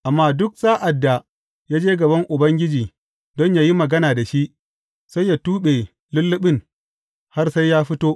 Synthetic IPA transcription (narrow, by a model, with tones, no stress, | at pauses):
ʔa˨mːaː˦dʊ˦k̚saː˦ʔa˨dːa˨ | jaː˦d͡ʒeː˦ɡɐ˨bɐ˦ŋʔʊ˨bɐ˦ŋɡʲɪ˦d͡ʒiː˨ | dɔ˦ɲjaː˦ji˦mɐ˨ɡɐ˦naː˨da˨ʃi˦ʔ | sa˦jːaː˨tuː˦ɓe˨ | lʊ˦lːʊ˦ɓɪ˦ŋ | ha˦rsa˦jaː˦ɸɪ˦toː˦ʔ